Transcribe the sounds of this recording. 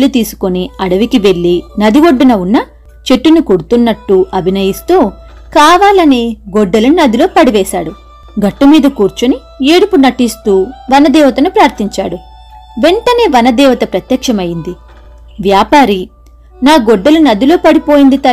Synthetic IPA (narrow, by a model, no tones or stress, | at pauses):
lut̪iːsu̥koniɐɽɐʋikiʋe̞ɭːinɐd̪iʋoɖːinɐunːɐ | t͡ʃe̞ʈːunukoɽut̪unːɐʈːuʔɐbʱinɐjist̪uː | kaːʋaːlɐneːɡoɖːɐlunɐd̪ilo̞ːpɐɽiʋɛːʃaːɽu | ɡɐʈːumiːd̪ɐkuːɾt͡ʃuni | eːɽupunɐʈist̪uːʋɐnɐd̪ɛːʋɐt̪ɐnupɾaːɾt̪iɲt͡ʃaːɽu | ʋe̞ɳʈɐne̞ːʋɐnɐd̪ɛːʋɐt̪ɐpɾɐt̪jɐkʂɐmɐjind̪i | ʋjaːpaːɾi | naːɡɔɖːɐlunɐd̪ilo̞ːpɐɽipo̞ːjind̪it̪ɐ